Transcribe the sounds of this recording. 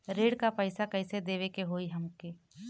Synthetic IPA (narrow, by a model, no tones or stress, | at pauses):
ɾeːɽkapəɪsakɛɪsed̪eːʋekeɦoːiɦɐmkeː